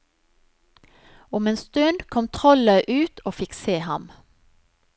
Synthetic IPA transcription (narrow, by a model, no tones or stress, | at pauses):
ʊmeːnst̪ʉnd̪kʰɔmt̪ʰʁɔlœʏʔʉːt̪ʰoːfɪkseːhɑm